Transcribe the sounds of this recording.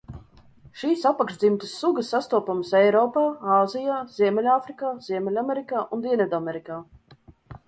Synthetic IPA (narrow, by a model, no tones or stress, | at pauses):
ʃiːsapːakʃʒd̪zimt̪əsːuɡəsːast̪uɔpamsɛjɾɔːpaːaːzijaːz̥iɛmɛlʲaːfɾikaːziɛmʲɛlʲamɛɾikaːʔund̪iɛnɛd̪amɛɾikaː